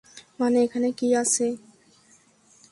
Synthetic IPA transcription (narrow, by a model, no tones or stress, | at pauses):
maneekʰanekiasʰe